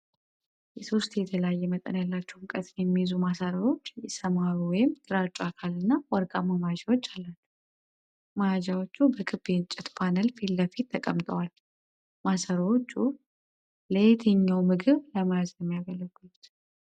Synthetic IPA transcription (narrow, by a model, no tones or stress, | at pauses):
jɛso̞st̪jɛt̪ʰəlajːɛmət̪ʼənjalːat͡ʃːɛwɨŋkʼət̪jjɛmːijzumasəɾəwo̞t͡ʃːjɛsəmawuwɔjɪmt̪ʼɨɾat͡ʃʼuakʰalɨnːawɔɾkʼamamajad͡ʒawo̞t͡ʃːalːat͡ʃːu̥ | majad͡ʒawo̞t͡ʃːubəkʰɨbent͡ʃʼːɪt̪pʰanəlfilːəfit̪ʰːəkʼəmt̪ʼəwal | masəɾəwot͡ʃːu | leet̪ʰɨɲːawmɨɡɨβləmajazəmːijaɡəlːəɡut̪